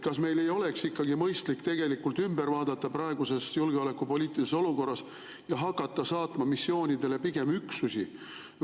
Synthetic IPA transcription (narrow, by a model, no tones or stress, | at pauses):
kɑsme̞jle̞jo̞le̞ksikːɑɡ̥imɤjst̪likt̪e̞ɡ̥e̞likːˑult̪ymbe̞ɾvɑːd̪̥ɑt̪ːɑprɑe̞ɡ̥use̞sjulɡeo̞le̞kːˑupo̞liːt̪ːˑiliseso̞luko̞rːɑs | jɑɦɑkːˑɑt̪ːɑsɑːt̪mɑmisːo̞ːnʲid̪e̞le̞piɡ̥e̞myksusi